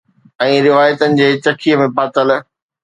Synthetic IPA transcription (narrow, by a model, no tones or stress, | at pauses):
ɛ̃ːɾɪʋaːjət̪ənɪ̆d͡ʑeːt͡ɕɐkʰijəmẽpaːt̪əl